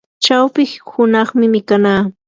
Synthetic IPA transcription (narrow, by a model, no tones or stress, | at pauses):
t͡ʃawpɪhʊnɑχmɪmɪkanaː